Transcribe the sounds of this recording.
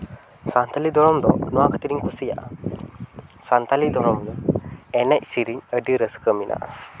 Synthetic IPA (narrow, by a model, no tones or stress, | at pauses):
sant̪alid̪ʱɔɾɔmd̪ɔnɔwakət̪iɾiŋkʰusija̰ʔa | sant̪alid̪ʱɔɾɔmjaɛnɛc̚siɾiɲəɖiɾəskəminʔa̰ʔa̰